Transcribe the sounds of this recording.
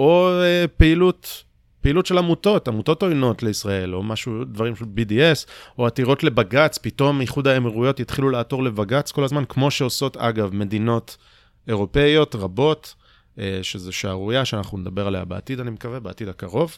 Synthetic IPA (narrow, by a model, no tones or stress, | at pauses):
o̞epeilut | peilutʃe̞lamuto̞tamuto̞to̞jno̞tle̞isʁae̞lo̞maʃudvaʁimʃelbidieso̞atiʁo̞tle̞baɡat͡spito̞miχud̪aemiʁujo̞t̪jit̪χilulaato̞ʁle̞baɡat͡skolazmankmo̞ʃe̞o̞so̞ta̰ɡavme̞dino̞t | e̞ʁo̞pe̞jo̞tʁabo̞t | eʃezeʃaaʁujaʃeanaχnuned̪abe̞ʁaleja̰bea̰tidanimekavebeatid̪akaʁo̞v